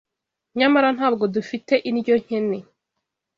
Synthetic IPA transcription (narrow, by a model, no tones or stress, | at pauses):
ɲamaɾan̥ɦaːb̚ɡo̞dufite̞ʔiɾɟo̞ɲ̥ene